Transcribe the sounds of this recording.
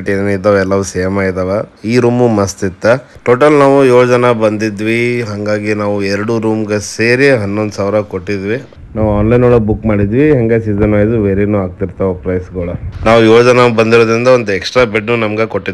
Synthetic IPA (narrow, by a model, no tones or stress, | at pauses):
ʈinit̪ːɐʋɛlːɐʋusɛjɐmaːid̪ɐʋɐiːɾuːmumɐst̪it̪ːɐʈoːʈɐlnaːʋujoːd͡ʒɐnɐbɐnd̪id̪ʋiɦɐŋɡaːɡinaːʋuɛɾɐɽuɾuːmɡeseːɾieɦɐnːond̪usaːʋɾɐko̞ʈːid̪ʋi | naːʋuaːnlɐjnoːɭɐbukmaːɽid̪ʋiɦɐŋɡesizɐnʋɐːjd̪uʋeːɾenuaːɡ̚t̪iɾt̪ɐʋepɾɐjsɡɐːɭɐnaːʋujoːd͡ʒɐnɐbɐnd̪iɾoːd̪ɾind̪ɐond̪uɛksʈɾaːbeɖnunɐmɐɡekoʈːi